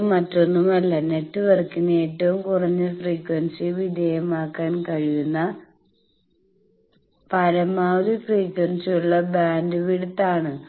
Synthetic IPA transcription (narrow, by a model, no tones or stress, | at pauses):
mɐtːo̞nːumɐlːɐne̞tːɨʋɐrkːunːe̞ːtːɐʋumkurɐɲːɨfriːkwɐnsiʋid̪ɐjɐmaːkːaːnkɐɻijunːɐ | pɐɾɐmaːðifriːkwɐnsijuɭːɐbaːndɨʋiɽut̪ːaːɳɨ